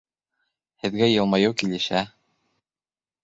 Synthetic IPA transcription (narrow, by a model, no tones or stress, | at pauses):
hɘ̆ðɡæjɤ̆lˠmɑjɤwkilɘ̆ɕæ